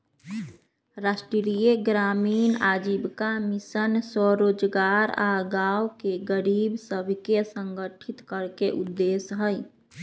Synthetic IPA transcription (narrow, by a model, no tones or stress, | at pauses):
ɾaːsʈɾiɾijeɡɾaːmiːnaːd͡ʒibkamɪsənsɔɾoːd͡ʒɡaːɾaɡaːwkeɡəɾiːbsəbʱkesə̃ŋɡəʈʰit̪kəɾkeʔʊd̪ːeːsɦəj